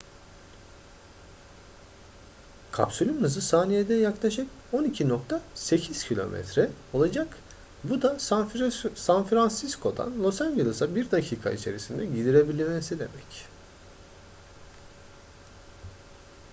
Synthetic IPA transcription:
kʰa̰psulʲymnɯzɯsaːnijed̪ɛjaklˠaʃɯk | o̞nicʰino̞k̚t̪ʰase̞cʰiz̥cʰilʲo̞̰mʔɛ̰t̪ɾɛo̞lˠad͡ʒak | bud̪a | sanfɾansiskʰo̞d̪a̰nlʲˠosaɲd͡ʒelˠɯsabiɾd̪acʰiːkʰa̰ḭt͡ʃʰe̞̰ɾisind̪ɛɟid̪iɾe̞bilʲimesid̪e̞mɛc

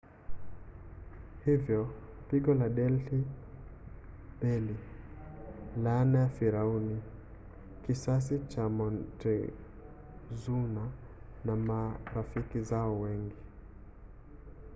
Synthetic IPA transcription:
hivjɔ | piɠɔlaɗɛlti | ɓɛli | lanajafiɾauni | kisas̬it͡ʃamɔntɛ | zuna | namaɾafikizaɔwɛŋɡi

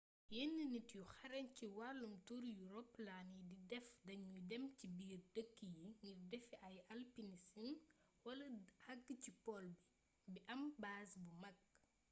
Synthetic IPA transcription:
jenːənitjuxɐɾɐnciwalːumtuɾjuɾɔplaːnididɛfdɐɲɲudɛmcibiːrdəkːijiŋɡirdɛfiɐjɐlpinisin | wɐlɐhɐɡːcipɔlbi | biʔɐmbaːsbumɐk̚

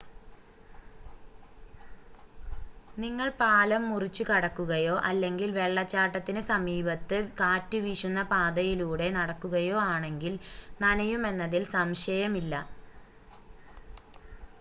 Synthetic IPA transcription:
niŋːɐɭpaːlɐmːurit͡ɕːukɐɽɐkːuɣɐjo̞ːʔɐlːe̞ŋɡilʋe̞ɭːɐt͡ɕːaːʈːɐt̪ːinɨsɐmiːbɐt̪ːɨkaːtːuʋiʂunːɐpaːd̪ɐjiluːɽe̞nɐɽɐkːuɣɐjo̞ːaːɳe̞ŋɡilnɐnɐjume̞nːɐðilsɐmɕɐjɐmilːɐ

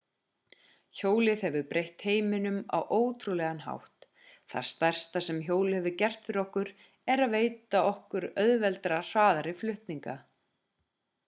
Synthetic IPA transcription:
çoːwlɪðhɛvʏpɾʔejht̪heːjmɪnʏma̰wʔoːwt̪ʰɾulɛɣanɦa̰wht̪ | θa̰ɾ̥st̪ar̥st̪asɛmçoːwlɪhɛvʏcɛr̥t̪fɪɾɔhkʏɾ | ɛɾaðveːjt̪aɔhkʏɾœðvɛlt̪ɾar̥vaːðaɾɪflʏht̪niŋka

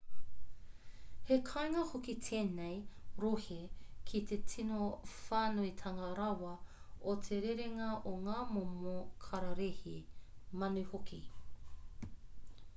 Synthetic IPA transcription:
hekʰaeŋɐhokit̪ʰeːnejɾohekʰit̪ʰe̞tʰinofaːnoit̪ʰɐŋɐɾɐwɐ | otʰeɾeɾeŋɐʔoŋaːmomokʰɐɾɐɾehimɐnʉhokʰi

